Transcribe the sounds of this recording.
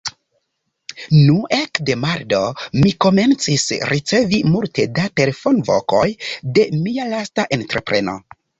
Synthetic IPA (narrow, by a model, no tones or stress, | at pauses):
nuʔekde̞maɾdo̞miko̞me̞nt͡sisɾit͡se̞vimulte̞date̞lefo̞nvo̞̰ko̞jde̞mialastaʔe̞ntɾepɾe̞no̞̰